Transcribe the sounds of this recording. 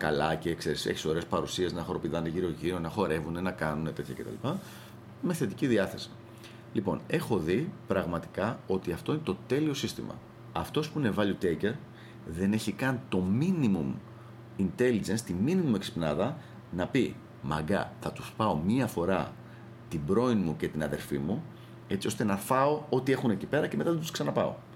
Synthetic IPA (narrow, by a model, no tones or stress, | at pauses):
kɐ̰lɐce̞kse̞ɾisḛçi̥so̞ɾe̞spɐɾusie̞znɐxoɾo̞piðɐneʝiɾoʝiɾo̞nɐxo̞ɾe̞vune̞nɐkɐnune̞t̪e̞t̪çɐce̞t̪ɐ̰lipɐ | me̞θe̞t̪iciðiɐθe̞si̥ | lipo̞̰ne̞xo̞ðipɾɐɣmɐt̪i̥kɐo̞t̪iɐft̪o̞inet̪o̞t̪e̞lio̞sist̪imɐ̰ | ɐft̪o̞spune̞vɐliot̪ece̞ɾ | ðe̞ne̞çikɐnt̪o̞minimum | int̪e̞lid͡ʒe̞nst̪iminimumeksi̥pnɐðɐ | nɐpi | mɐ̰ɡɐ̰θɐt̪u̥spɐo̞miɐfo̞ɾɐ | t̪ibɾo̞inmuce̞t̪inɐðe̞̰ɾfimu | e̞t͡sio̞st̪e̞nɐfɐo̞o̞t̪ie̞xune̞cipe̞ɾɐceme̞t̪ɐðt̪usksɐnɐpɐo̞̰